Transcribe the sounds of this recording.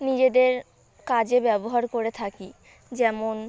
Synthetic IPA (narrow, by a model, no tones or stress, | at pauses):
nid͡ʑed̪eɾ | kad͡ʑebɛboɦaɾkoɾet̪ʰaki | d͡ʑɛmon